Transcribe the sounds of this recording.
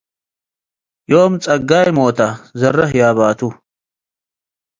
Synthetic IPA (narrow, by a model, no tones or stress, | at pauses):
joːmt͡sʼɐɡajmoːt̪ɐzɐrɐɦjaːβaːt̪ʰu